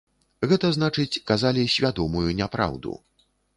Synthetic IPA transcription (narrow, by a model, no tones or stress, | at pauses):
ɣɛt̪ɐznat͡ʂɨt͡sʲkazalʲisʲvʲad̪ɔmujunʲapɾa̰wd̪ṵ